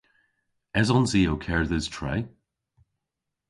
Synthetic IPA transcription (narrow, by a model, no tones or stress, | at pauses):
ɛzɔnzioʊkʰɛɹðɪz̥tʰɹ̥a̰ɪ